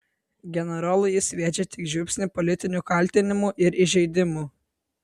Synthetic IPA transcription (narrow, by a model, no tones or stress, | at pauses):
ɡʲɛnʲɛɾɔlˠʊjɪsʲʋʲeːd͡ʒʲɛt̪ʲɪkʒʲʊpʲsʲnʲɪpɔlʲɪt̪ʲɪnʲukɐlʲt̪ʲɪnʲɪmuʔɪɾɪʒʲɛɪd̪ʲɪmu